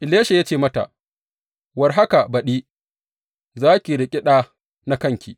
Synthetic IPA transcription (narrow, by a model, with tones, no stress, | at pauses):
ʔɪ˨leː˦ʃe˨ja˦t͡ʃeː˦˨mɐ˦ta̰˨ʔ | wɐ˨rɦa˦ka˨bɐ˨ɗiː˦ | zaː˦kʲi˨ɾɪ˨kʲʼɪ˦ɗaː˦ | na˦kɐ˦ŋkʲḭ˨